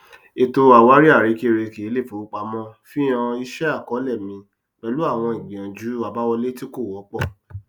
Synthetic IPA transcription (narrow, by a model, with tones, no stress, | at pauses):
e˨to˧a˨wa˨˦ɾi˦a˦˨ɾi˨˦ke˦˨ɾe˧ki˨˦le˦˨fo˨˦k͡pa˨˦mɔ̃˦fĩ˦ã˧i˧˦ʃɛ˦a˦˨kɔ˨˦lɛ˦˨mĩ˧ | k͡pɛ˧lu˦a˦˨w̃ɔ̃˧ĩ˨ɡ͡bĩ˨ã˨d͡ʒu˨˦a˧˨ba˨˦wɔ˧le˦ti˦ko˦˨wɔ˨˦k͡pɔ˦˨